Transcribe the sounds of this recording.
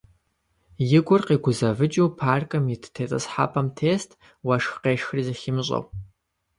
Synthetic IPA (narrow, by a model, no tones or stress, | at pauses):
jɪɡʷʊrqiɡʷʊzɐvɨt͡ʃʼiwpʰaːrkʼɐmitʰtʰet͡sʼɨsħa̰pʰʼɐmtʰeːstʼ | wɐʂxqeːʃxrizɐxɪmɕʷʼɐ̰w